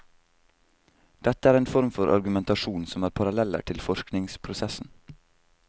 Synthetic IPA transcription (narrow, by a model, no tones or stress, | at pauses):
d̪̥ɛt̪əæːɾeːnfɔɾmfɔɾʔɑ̰ɾɡʉmɛnt̪ɑʃuːnsɔmæːɾpʰɑɾɑlɛlə̰ʈʰɪlfɔʃknɪŋspʰɾʊsɛsn̩